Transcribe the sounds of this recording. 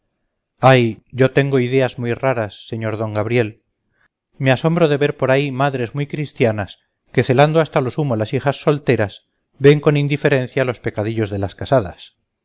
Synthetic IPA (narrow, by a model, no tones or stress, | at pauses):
ajɟ͡ʝo̞t̪e̞ŋɡo̞iðe̞azmujraɾasːe̞ɲo̞ɾðo̞ŋɡaβɾje̞l | measo̞mbɾoðe̞βe̞ɾpo̞ɾaimaðɾe̞zmujkɾist̪janas | ke̞θe̞land̪oast̪alo̞sumolasixasːo̞lt̪e̞ɾaz | be̞ŋko̞nind̪ife̞ɾẽ̞n̟θjalo̞spe̞kaðiʎo̞zðelaskasaða̰s